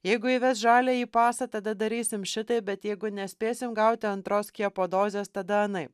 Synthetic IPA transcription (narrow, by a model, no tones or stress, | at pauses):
jɛɪɡʊiːʋʲɛsʒɑːlʲeːiːpɑːsɐt̪ɐd̪ɐd̪ɐɾʲiːsʲɪmʃʲɪt̪ɐɪbʲɛt̪jɛɪɡʊnʲɛsʲpʲeːsʲɪmɡɐʊt̪ʲɪɐnt̪ɾoːskʲipoːd̪oːzʲeːst̪ɐd̪ɐɐnɐɪ